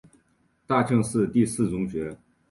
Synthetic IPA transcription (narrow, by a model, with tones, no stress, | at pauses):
t̪a˥˧ʈ͡ʂʰɤ˥˧ŋʂɹ̩˥˧t̪i˥˧sɹ̩˥˩t͡sʊ˧˥ŋɕɥɛ˧˥